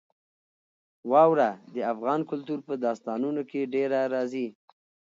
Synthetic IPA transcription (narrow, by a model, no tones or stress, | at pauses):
wɑwɾad̪əafɣɑnkʊlt̪uɾpəd̪ɑst̪ɑnunokeɖeɾaɾɑzi